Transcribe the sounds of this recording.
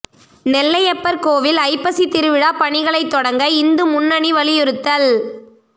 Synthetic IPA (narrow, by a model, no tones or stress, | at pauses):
nɛlːɐjɐpːɐɾkoːʋɪlɐɪpːɐsit̪ɪɾɯʋɪɽaːpɐɳɪɣɐɭɐɪt̪ːɔɽɐŋɡɐɪnd̪ɯmʊnːɐɳiʋɐɭɪjɯɾɯt̪ːɐl